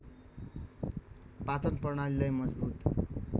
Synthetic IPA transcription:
pat͡sʌnpʌrɳ̃alilajmʌd͡zbut̪

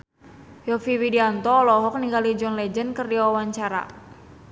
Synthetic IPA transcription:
jɔfiwidiant̪ɔːlɔɦɔk̚niŋɡalid͡ʒɔnlɛd͡ʒənkərdiwawaɲt͡ʃaɾa̰

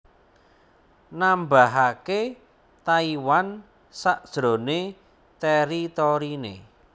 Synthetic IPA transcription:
nambaɦake | t̪aiwan | saʔd̥ʒ̥ɾo̤ne | t̪ɛɾit̪ɔɾinḛ

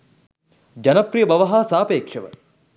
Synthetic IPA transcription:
d͡ʒɐnɐprijəbɐʋɐɦaːsaːpeːkʂəʋə̰

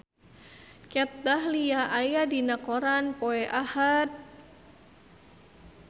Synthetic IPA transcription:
kɛt̪̚d̪ahlijaʔajadinakɔɾanpɔɛʔahat̪̚

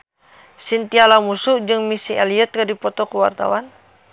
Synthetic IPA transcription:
sint̪ialamusud͡ʒɨŋmisiɛliət̪̚kədipɔt̪ɔkuwa̰rt̪a̰wan

